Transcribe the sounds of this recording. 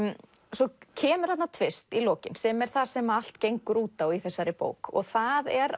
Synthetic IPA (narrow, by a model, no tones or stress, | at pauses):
sɔcʰɛːmʏɾ̥hat̪nat̪ʰvɪst̪ilɔːcɪnsɛmɛɾ̥θaðsɛmaal̥t̪cejŋkʏɾuːt̪awiθɛsːaɾɪpo̰ːwkɔ̰ɣθaðɛɾ